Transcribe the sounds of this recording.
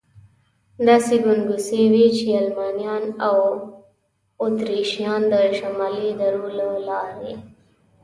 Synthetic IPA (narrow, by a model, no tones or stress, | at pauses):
d̪asiɡunɡusewit͡ʃialmaːnjɑnaw | ot̪ɾiʃijɑːnd̪əʃamalid̪əɾulalɑːɾḛ